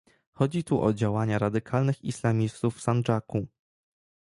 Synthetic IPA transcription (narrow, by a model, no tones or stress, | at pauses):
xɔd͡ʑit̪uʔɔ̰d͡ʑawaɲaɾad̪ɘkʰalnɘxḭslamʲist̪ufːsant͡ʂaku